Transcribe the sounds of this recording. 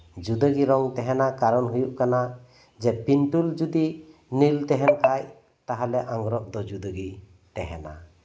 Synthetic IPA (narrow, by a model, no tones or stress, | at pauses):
d͡ʒud̪əɡiɾɔŋt̪ɛɦɛnakaɾɔnɦujuʔkana | d͡ʒɛpinʈuld͡ʒud̪inilt̪ɛɦɛnkʰaj | t̪aɦalɛʔaŋɡɾɔʔd̪ɔd͡ʒud̪əɡi | t̪ɛɦɛ̰na̰